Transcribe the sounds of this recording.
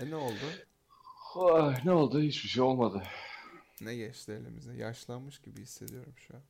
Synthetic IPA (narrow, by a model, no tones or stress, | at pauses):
ɛneo̞lˠd̪ʊ | anɛo̞lˠd̪ʊhit͡ʃbiʃejo̞lˠmad̪ɯ | nɛɟɛt͡ʃlʲelʲḭmizɛja̰ʃlˠanmɯʃɟibihisːe̞d̪ijo̞ɾumʃua